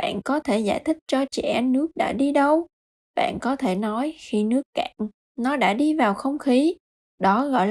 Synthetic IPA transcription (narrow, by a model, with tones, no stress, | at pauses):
a̰ː˧˨nkɔ˨˦t̪ʰe˧˩zaː˧˩jt̪ʰï˦˥k̚t͡ɕɔ˧t͡ɕɛ̰˧˩ʔɛ˧nnɨ˦˥ək̚ɗa̰ː˧˥ɗi˧ɗə˧w | ɓa̰ː˧˨nkɔ˨˦t̪ʰe˧˩nɔ˨˦jxi˧nɨ˦˥əkːa̰ː˧˩˨ŋ | nɔ˨˦ɗa̰ː˧˥ɗi˧vaː˨˩wxə˧wŋ͡mxi˨˦ | ɗɔ˨˦ɣɔ̰˧˨jl